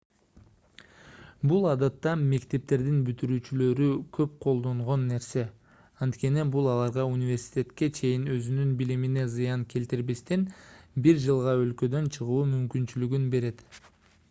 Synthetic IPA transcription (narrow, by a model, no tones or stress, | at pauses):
bulˠɑd̪ɑt̪ːɑme̞kt̪e̞p̚t̪e̞ɾd̪inbyt̪yɾyːt͡ʃylø̞ɾykʰø̞p̚qʰo̞lˠd̪o̞ɴʁo̞nːe̞ɾse̞ | ɑnt̪kʲe̞nibulˠɑlˠɑɾʁɑunʲivʲe̞ɾsʲi̥t̪ʲe̞t̪ke̞t͡ʃʰe̞jinø̞zynynbilimine̞zɯjɑŋke̞lt̪iɾbest̪enbiɾd͡ʒɯlˠʁɑø̞lkø̞d̪ønt͡ʃʰɯʁuːmymkynt͡ʃylyɡynbe̞ɾe̞t̪